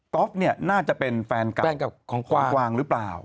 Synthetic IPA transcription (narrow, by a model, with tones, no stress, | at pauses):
kɔ˦˥p̚ni˥˩ɐnaː˥˩t͡ɕa˨˩pe˧nfɛː˧nka˨ɛː˧nka˨˩p̚kʰɔː˩˦ŋkʰɔ˨aː˦˧ŋkwaː˧ŋɾɯː˦˥plaː˨˩w